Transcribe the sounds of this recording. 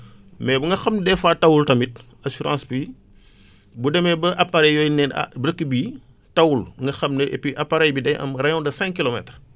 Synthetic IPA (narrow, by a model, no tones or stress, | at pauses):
mɛːbuŋɡɐxɐmndɛfaːtɐwultɐmit̚ | asuɾã̰ːspi | budɛmɛbɐʔɐpːaɾɛjjɔːjnɛn̰bɾəkːəbi | tɐwulŋɡɐxɐmnəʔḛpiʔɐpːaɾɛjbidɛjʔɐ̰mrɐjɔ̃ndɐsɛ̃ŋkilomɛtr